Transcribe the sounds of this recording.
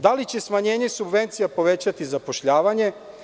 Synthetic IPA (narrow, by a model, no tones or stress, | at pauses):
d̪alit͡ɕe̞smaɲe̞ːɲe̞subʋe̞nt̪sijapo̞ʋe̞t͡ɕat̪izapo̞ʃʎaːʋaɲe̞